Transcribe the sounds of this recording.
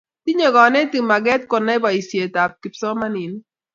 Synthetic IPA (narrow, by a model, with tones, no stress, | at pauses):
ti˦ɲɔ˨ɡɔ˨nɛ˦ti˨ma˨ɡɛ˦tkɔ˨nɛ˦ba˨i˨sje˨ta˨p̚ki˨psɔ˦ma˦ni˨n˦